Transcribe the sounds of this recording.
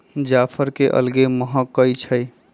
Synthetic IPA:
d͡ʒapʰəɾkeʔə̰lɡeməɦəkːəjt͡ʃʰəj

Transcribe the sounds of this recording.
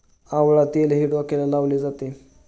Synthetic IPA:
ãʋɭat̪elɦiɽʋakelanaʋled͡zat̪e

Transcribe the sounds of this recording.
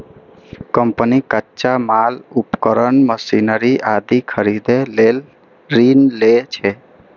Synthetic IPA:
kəmpənikətːt͡ʃamalupkəɾəɳməsinəɾiʔad̪ikʰəɾid̪elel | ɾinlet͡ʃʰɛ

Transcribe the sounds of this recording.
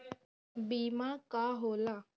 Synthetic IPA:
bimakaɦola

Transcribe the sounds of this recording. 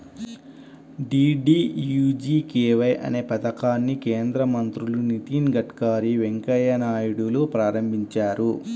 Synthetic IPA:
ɖiːɖiːjud͡ʒiːkeːʋɐjʔɐ̰ne̞ːpɐt̪ɐkaːnːikeːnd̪ɾɐmɐnt̪ɾulunit̪iːnɡɐʈkaːɾiʋeŋkɐjɐnaːjiɽuloːpɾaːɾɐmbʱiɲt͡ʃaːɾu

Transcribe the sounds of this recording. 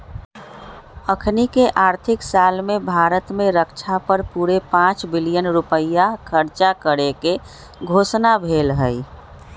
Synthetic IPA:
əkʰnikeʔaːɾt̪ʰɪksaːlmẽbʱaːɾət̪mẽɾəkt͡ʃʰapəɾpuːɾepãːt͡ʃbɪlijənɾupəjakʰəɾt͡ʃakəɾeke | ɡʱoːsnabʱeːlɦəi

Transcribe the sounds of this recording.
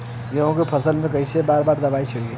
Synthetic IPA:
jɐɦõkepʰɐsəlmẽkɐisebaːɾbaːɾd̪ɐbaːit͡ʃʰɐɽie

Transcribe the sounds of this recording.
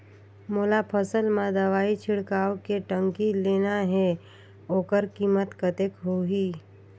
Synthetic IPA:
moːlapʰəsəlmãd̪əʋaːit͡ʃʰɪɽkaːwkeʈə̃ŋkileːnaɦɛ | oːkəɾkiːmət̪kət̪ekɦoɦiː

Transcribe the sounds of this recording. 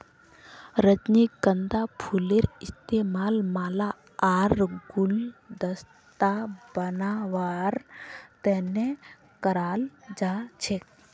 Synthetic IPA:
ɾəd͡ʒniɡənd̪apʰuleɾist̪emalmala | aɾɡuld̪əs | t̪abənaʋaɾt̪ɛne | kəɾald͡ʒat͡ʃʰek

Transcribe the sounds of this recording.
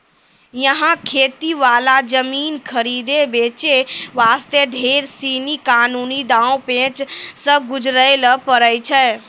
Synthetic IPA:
jəɦãkʰeːt̪iʋalad͡ʒəminkʰəɾid̪ebet͡ʃeʋaːst̪eɖʱeɾsinikaːnunid̪ãwpẽt͡ʃsə̃ɡud͡ʒɾəjləpəɾəjt͡ʃʰɛː

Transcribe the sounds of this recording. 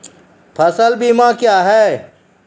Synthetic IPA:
pʰəsəlbiːmãkjaːɦɛː

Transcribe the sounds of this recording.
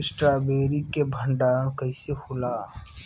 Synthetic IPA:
ɪsʈɾaːbeːɾikebʱəɳɖaːɾəɳkəisehʊlaː

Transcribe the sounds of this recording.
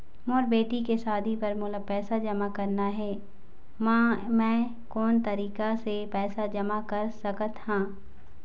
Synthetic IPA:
moːɾbeːʈikesaːd̪ʱipɐɾmʊlapɛːsad͡ʒɐmakɐɾnaɦɛː | mãmɛ̃ː | kɔːnt̪ɐɾiːkasepɛːsad͡ʒɐmakɐɾsɐkət̪hãː

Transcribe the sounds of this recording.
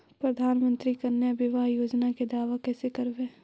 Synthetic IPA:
pɾɐd̪ʱaːnmə̃nt̪ɾikɐnːjəbɪʋaːɦjoːd͡ʒnaked̪aːʋakɛːsekɐɾʋeː

